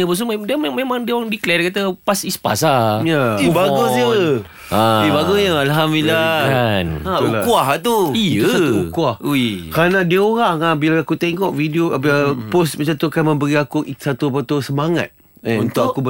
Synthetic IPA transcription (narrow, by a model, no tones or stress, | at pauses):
əpus̬umdəmememãŋdioɾaŋdiklɛkat̪əpasispa̰sajaakiubaɡoi | ãibaɡoɲəalɦamdilaanaulakuaɦt̪uijəauukuahuikɾanãdiəoɾaŋabilaakut̪ɛŋkɔʔvidiopos̬mət͡ʃat̪ukanmə̃mbəɾiakuʔsat̪uap̬at̪usəmaŋa̰t̪̚ | unt̪ʊkakub